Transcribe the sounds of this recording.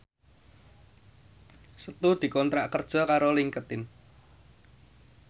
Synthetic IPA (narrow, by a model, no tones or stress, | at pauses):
sət̪ud̪̥i̤kɔnt̪ɾaʔkərd̥ʒ̥ɔ̤kaɾoliŋkət̪ɪn